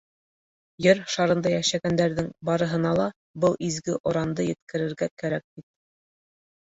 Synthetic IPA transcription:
jɘɾʃɑɾɤ̆nd̪ɑjæʃæɡænd̪æɾðɘŋbɑɾɤ̆ɦɤ̆nɑlˠɑ | bɤlˠʔizɡɘʔŏɾɑnd̪ɤjɘ̆t̪̚kɘ̆ɾɘ̆ɾɡækæɾæk̚bit̪̚

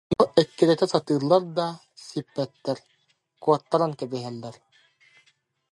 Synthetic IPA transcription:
nɔʔɛkːiɾɛt̪ɛsat̪ɯːɾlˠːaɾd̪a | sipːɛt̪ːɛɾ | kuɔt̪ːaɾankɛbiɦɛlːɛɾ

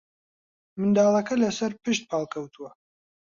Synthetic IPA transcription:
mɨnd̪ɑːlˠɐkɐlɐsɐɾpɨʃt̪̚pʰɑːlˠkʰɐwt̪ʰuwɐ

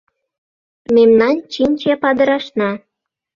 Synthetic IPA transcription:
memnɑnt͡ɕinʲt͡ɕepɑd̪ə̆ɾɑʃnɑ

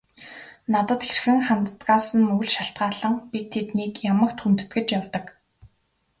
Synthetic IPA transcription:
nat̪ə̆t̪xerxɘ̆ŋχant̪ət̪ɢaːsə̆nmɵɣɵ̆ɮʃaɬt̪ɢaːɮə̆ŋpit̪̚ʰːet̪niːkjamə̆kt̪χunt̪ɘ̥̆t̪ɡɘ̆t͡ɕjawt̪ə̆k

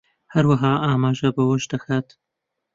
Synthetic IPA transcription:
hɐɾwɐɦaːʔaːmaːʒɐbɐwɐʃd̪ɐxʰaːt̪

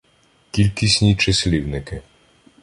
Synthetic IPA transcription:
kʲilʲkʲisʲnʲit͡ʃesʲlʲiwnɪkɪ

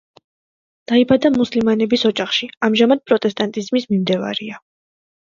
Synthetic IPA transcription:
d̪̥aibad̪amuslimanɛbisɔd͡ʒaχʃiamʒamad̪̥̚pʼɾɔt̪ʼɛst̪ʼant̪ʼizmismimd̪ɛva̰ɾia

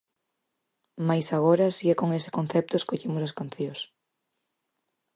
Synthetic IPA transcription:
majsaɣ̞oɾɐsiɛkoŋesɪ̥konθɛp̚t̪ʊeskoʎimʊsɐskan̟θjõs

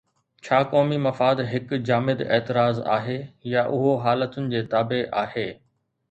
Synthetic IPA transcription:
t͡ɕʰaːkɔːmimɐfaːd̪ɦɪkd͡ʑaːmɪd̪ɛ̰ːt̪ɪɾaːza̰ːɦeːjaʔʊɦoɦaːlət̪ʊnɪ̆d͡ʑeːt̪aːbeʔaːheː

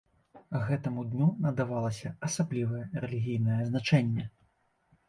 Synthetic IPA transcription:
ɣɛt̪ɐmud̪ʲnʲunɐd̪avalˠɐsʲɐɐsablʲivɐjɛɾɛlʲiɣʲijnɐjɛznat͡ʂɛnʲːɛ

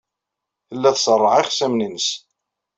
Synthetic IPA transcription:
θəlːæθsˤərˤːəʕiχsæmninəs

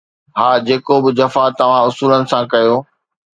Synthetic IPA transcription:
ɦaːd͡ʑeːkobɪd͡ʑɐfat̪ɐʋ̤ãʊsuːlənɪ̆sãkɐjoː

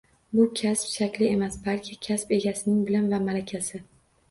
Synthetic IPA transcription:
bʊkʲʰaspʃakʲlɪe̞masbalkʲʰɪkʲʰaspe̞ɡʲasɪnɪŋbɪlanvamalakʲʰasɪ

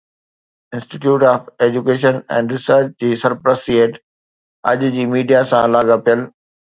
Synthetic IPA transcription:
ɪ̃nsʈiʈjuːʈaːfeːd͡ʑukeːʃənɛ̰̃ːɳɖɾɪsəɾt͡ɕd͡ʑiːsɐɾpɾəsieːʈ | ɐʄd͡ʑiːmiːɖijasãlaːɠapijəl

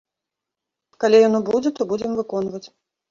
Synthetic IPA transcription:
kalʲijɔnɔbud͡zʲɛt̪ɔbud͡zʲɛmvɨkɔnvɐt͡sʲ

